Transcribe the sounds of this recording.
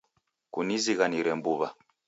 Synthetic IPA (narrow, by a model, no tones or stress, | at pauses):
kuniziɣaniɾɛmbuβa